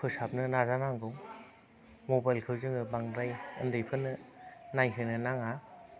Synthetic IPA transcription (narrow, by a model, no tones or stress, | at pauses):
pʰɯsap̚nɯnazanaŋɡɯw | mobajlkʰɯwzɯŋɯbaŋdɾajɯ̰ndɯjpʰɯnɯnajɦɯnɯnaŋa